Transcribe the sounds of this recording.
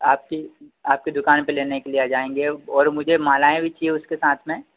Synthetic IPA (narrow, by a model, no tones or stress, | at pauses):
aːp̚kiaːp̚ked̪ʊkaːnpeleːnekelieaːd͡ʒaːẽːŋɡeɔːɾmʊd͡ʒʱemaːlaːẽbʱit͡ʃieʊskesaːt̪ʰmẽ